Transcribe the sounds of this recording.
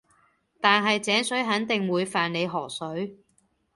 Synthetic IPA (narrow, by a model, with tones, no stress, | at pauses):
t̪aː˨nɦɐ˨jt͡sɛː˨˥ŋsɵ˨˥ɥɦɐ˨˥nt̪ɪ˨ŋwuː˨˧jfaː˨nne˨˧jɦɔː˨˩sɵ˨˥ɥ